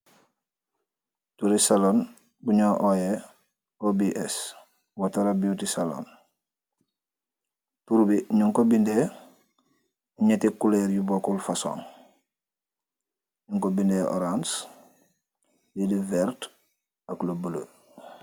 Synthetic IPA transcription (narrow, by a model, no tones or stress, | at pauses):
tuɾisalon | buɲoːʔoːje | obiʔes | wataɾabiutisalo̰n | tuɾubiɲuŋkobinde | uɲetikuleɾjuboːkulfaso̰ːn | ɲuŋkobindeʔo̰ɾans | lidivɛɾt | aklobələ̰